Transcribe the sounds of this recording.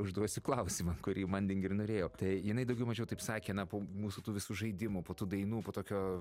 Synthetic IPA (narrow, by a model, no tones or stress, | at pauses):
ʊʒd̪uɔsʲʊklˠɐʊsʲiːmɐkʊɾʲiːmɐnd̪ʲɪŋɡʲɪrnoːɾʲeːjoːt̪ɐɪjɪnɐɪd̪ɐʊɡʲɛʊmɐʒʲɛʊt̪ɐɪpsɑːkʲeːnɐpoːmuːsut̪uːʋʲɪsuːʒɐɪd̪ʲɪmʊːpoːt̪uːd̪ɐɪnuːpoːt̪oːkʲoː